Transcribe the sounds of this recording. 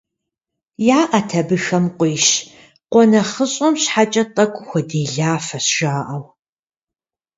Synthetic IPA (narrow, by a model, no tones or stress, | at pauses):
jaːʔɐtʰɐbɨxɐmqʷʼiːʃ | qʷɔnɐχəɕʼɔmɕħat͡ʃʼɐtʼɐkʷʼʊxʷɐdeːɮaːfɐsʒ̥aːʔɐw